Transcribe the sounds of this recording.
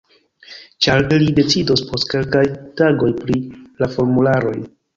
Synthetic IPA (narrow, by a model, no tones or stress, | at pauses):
t͡ʃaɾilide̞t͡sidospo̞stke̞lkajtaɡo̞jpɾilafo̞ɾmulaɾo̞j